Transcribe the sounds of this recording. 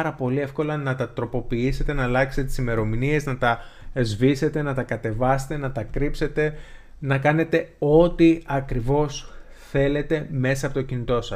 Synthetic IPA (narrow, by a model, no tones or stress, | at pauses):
ɾɐpo̞lie̞fko̞lɐnɐt̪ɐt̪ɾo̞po̞piise̞t̪e̞nɐːlɐkset̪et̪isime̞ɾo̞minie̞znɐt̪ɐzvise̞t̪e̞nɐt̪ɐkɐt̪e̞vɐse̥t̪e̞nɐt̪ɐkɾipse̞t̪e̞ | nɐkɐne̞t̪e̞o̞t̪iɐkɾivo̞s | θe̞le̞t̪e̞me̞sɐpo̞t̪ocinit̪o̞sɐ